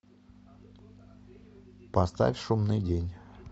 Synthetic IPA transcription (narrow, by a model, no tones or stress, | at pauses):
pɐst̪a̰fʲʂumnɨjdʲenʲ